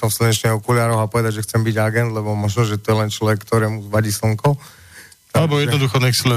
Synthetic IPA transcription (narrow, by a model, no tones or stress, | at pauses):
sɔmfsɾ̩ɲɛt͡ʃɲɛɦɔkulɪaːɾɔapɔʋɛd̪aɟʒɛxt͡sɛmbiɟaɡɛnd̪lɛbɔmɔʒnɔʒɛt̪ɔjɛlɛnt͡ʃlɔʋɛkːt̪ɔɾɛːmuzʋaɟiːs̩ŋkɔʊ | t̪alɛbɔjɛd̪ɔd̪uxɔnɛksilɛ